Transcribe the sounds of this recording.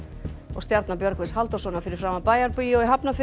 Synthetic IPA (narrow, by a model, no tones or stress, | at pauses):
ɔ̰ɣst̪jaɾt̪napjœɾkvɪshalt̪ɔsvɔnafɪɾɪɾ̥fɾaːmapaːjaɾpʏjɪɔɣɪɦapnafɪ